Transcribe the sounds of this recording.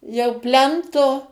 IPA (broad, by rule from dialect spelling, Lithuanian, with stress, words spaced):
jɛʊ ˈpʲlʲɛntoː